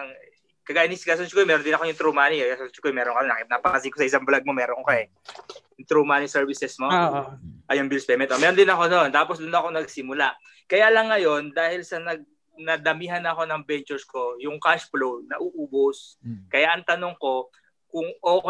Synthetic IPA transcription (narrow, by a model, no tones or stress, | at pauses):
ŋ | kɐɡaːʔnisɡas̬ot͡ʃkojmɛɾond̪ɪnɐkojʊŋt̪ɾomaːniɡasont͡ʃkojmɛːɾonkɐnonɐknapɐkɐsikosɐʔɪs̬aŋblaɡ̚mo̞mɛːɾonokoɛ | jʊŋt̪ɾomaːnisɛɹvɪsɛsmo | ʔɐjʊŋbilspɛmɛnt̪ʔomɛːɾond̪ɪnɐko̞nont̪aːposd̪ʊnɐko̞nɐɡsɪmʊlaʔ | kɐjaːlɐŋːɐjo̞nd̪aːhɪlsɐnɐɡ̚ | nɐd̪ɐmiɦɐnɐko̞nɐŋbɛnt͡ʃʊɹsko̞jʊŋkaʃplownɐʔuːʔuːboskɐjaʔɐŋt̪ɐnoŋko̞ | kʊŋʔoːk